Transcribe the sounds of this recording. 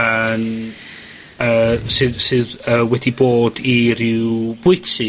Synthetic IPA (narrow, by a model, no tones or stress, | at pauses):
ən | əːsɨðsɨðəːwɛdiboːdiɾɪwb̥ʊɨtɨ